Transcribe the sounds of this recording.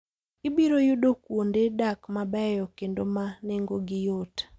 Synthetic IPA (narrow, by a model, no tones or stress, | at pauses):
ɪbiɾojʊdokwondedakmabɛjɔkendomaneŋɡoɡɪjot